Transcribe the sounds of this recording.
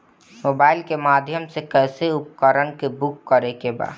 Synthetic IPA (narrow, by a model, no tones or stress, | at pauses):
moːbaːɪlkemaːd̪ʱjəmsekɛːseʊpkəɾənkebʊkːəɾekeba̰ːd̪